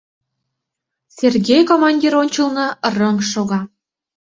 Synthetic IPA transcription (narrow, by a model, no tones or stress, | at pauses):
serɣʲejkomɑnʲdʲiɾonʲt͡ɕəlˠnɤ̆rəŋʃoɣɑ